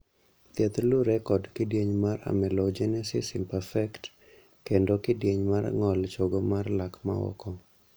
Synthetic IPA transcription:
t̪jɛt̪luɾɛkɔdkɪdjeɲmaɾa̰mɛlod͡ʒɛnɛsɪsɪmpɛfɛkt | kendokɪdjeɲmar̰ŋɔlt͡ʃoɡomarlakma̰ɔ̰kɔ

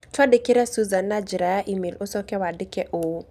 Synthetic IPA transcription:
t͡ʃwadɪkɪɾɛsuzanːad͡ʒiɾajaʔimelosɔkɛwadɪkɛʔo

